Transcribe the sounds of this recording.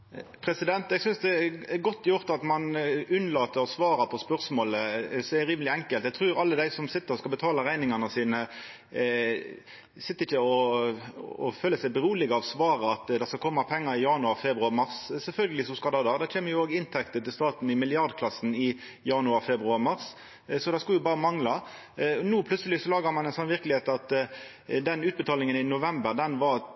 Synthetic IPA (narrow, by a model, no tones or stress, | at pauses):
pʰɾɛsɪd̪ɛnt̪ɛɡsʏnsd̪ɛɛɡɔt̪ːjʊɾt̪ɑt̪mɑnʉnlɑːt̪ːəɔsʋɑːɾɑpʰɔspœʁsmoːləsɔɛæɾiːməlɪɛŋkəlt̪ɛɡ̚t̪ʰɾʉːɾɑlːəd̪æɪsɔmsɪt̪ːəɾɔskɑlbət̪ʰɑːlɑʁæɪnɪŋɑnəsiːnə | sɪt̪ːəɾɪçːəɔ | ɔføːləsæɪbəɾʁuːlɪɡəɑʋsʋɑːʁəɑt̪d̪ɑskɑlkʰɔmːɑpʰɛŋːəɾɪjɑnʉɑʁfɛbʁʉɑʁmɑʁssɛlfœlɡəlɪsɔmskɑd̪ɑd̪ɑd̪ɛçʰeːməjʊoːɡɪnt̪ʰɛk̚t̪ət̪ɪlst̪ɑːt̪n̩ɪmɪlɪɑʁd̪kʰlɑsn̩ɪ | jɑnʉɑfɛbʁʉɑʁmɑʁs | sɔd̪ɑskɑljʊbɑːɾəmɑŋlɑ | nuːpʰlʉt̪səlɪsɔlɑːɡəɾmɑnɛɪnsɔnːʋɪʁklɪheːt̪ɑt̪ | d̪ɛnʉːt̪bət̪ʰɑːlɪŋənɪnʊʋɛmbəʁd̪ɛnʋɑʁ